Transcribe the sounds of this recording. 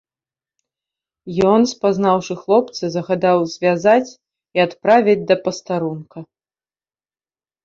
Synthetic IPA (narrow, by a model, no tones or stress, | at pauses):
jɔnspaznawʂɨxlˠɔp̚t̪sɨzɐɣad̪awzʲvʲazat͡sʲ | iat̪pɾavʲid͡zʲd̪ɐpɐst̪aɾunkɐ